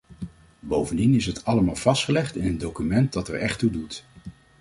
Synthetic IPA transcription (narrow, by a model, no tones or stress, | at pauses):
bowvəndinɪsɦətɑləmaːlˠv̥ɑstχəlɛχtɪnəndowkymɛnt̚dɑtəɹɛχtudut